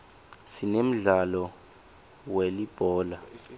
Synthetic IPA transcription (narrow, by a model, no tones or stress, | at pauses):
sinem̩ɮalɔ | welib̥ʱɔːla